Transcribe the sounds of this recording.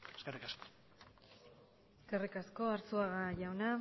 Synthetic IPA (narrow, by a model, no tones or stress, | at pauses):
eskerikasko̥ | eskerikasko̞aɾt͡suaɣaʝawna